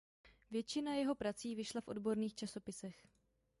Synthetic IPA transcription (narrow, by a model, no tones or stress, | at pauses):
vjɛt͡ʃɪnajɛɦo̞pɾat͡siːvɪʃlafʔo̞̰dbo̞ɾniːxt͡ʃaso̞pɪsɛx